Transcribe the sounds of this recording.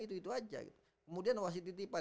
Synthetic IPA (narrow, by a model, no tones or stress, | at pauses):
it̪uit̪uad͡ʒa̰ɡḭt̪u | kəmudianwas̬it̪it̪ipa